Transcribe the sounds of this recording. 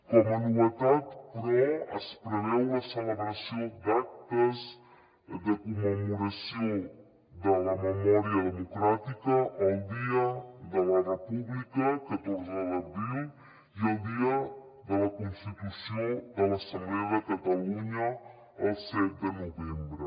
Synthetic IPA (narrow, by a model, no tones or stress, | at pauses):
komɐnuɐt̪at̪pɾɛɐspɾeɾewɐseleβɾɐsɐ̃w̃d̪ak̚t̪ɐz | d̪ɐkomemuɾɐsɐ̃w̃ | d̪ɐɐmemɔɾiɐd̪emokɾat̪ikɐʔɛwd̪iɐd̪ɐlɐrepuβlikɐkɐt̪oɾzalɐβiw | iawd̪iɐ | d̪ɐlɐkõnst̪it̪usɐ̃w̃d̪ɐnɐsɐ̃mblɛjðɐkɐt̪ɐluɲɐ | ɐwsɛzd̪ɐnovẽmbɾʊ